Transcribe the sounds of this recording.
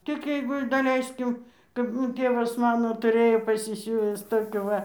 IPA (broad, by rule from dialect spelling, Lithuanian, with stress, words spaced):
tʲɪk ˈjɛɪɡʊ ɪr dɐˈlʲɛɪsʲkʲɪm kɐp ˈmuː ˈtʲeːʋɐs ˈmɑːnoː tʊˈrʲeːjoː pɐsʲɪsʲuːʋʲɪs ˈtoːkʲuː ˈʋɐ